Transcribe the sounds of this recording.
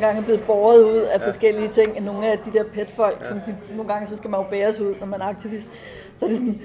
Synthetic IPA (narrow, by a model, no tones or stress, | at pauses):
ɡ̥ɑ̈ŋəb̥le̝ːð̩ˠb̥ɒːɐðˠuð̞̰ˠæfɒ̽sɡ̥el̰iət͡sʰe̝ŋ̰enːo̝ːŋ̩æd̥id̥e̝ɐ̰pʰed̥fɒ̽l̰ɡ̥sɒ̽nd̥ino̝ːn̩ɡ̥ɑ̈ŋəsɒ̽sɡ̥æmænjob̥eːɐsuð̞̰ˠnɒmænæɐɑ̈ɡ̥t͡sʰiʋisd̥ | sɒɐd̥e̝sɒn